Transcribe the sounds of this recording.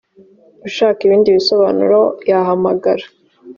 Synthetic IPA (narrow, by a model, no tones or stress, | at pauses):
uʃaːkiβiːndiβiso̞βaːnṵɾo̞jaɦamaɡaɾḁ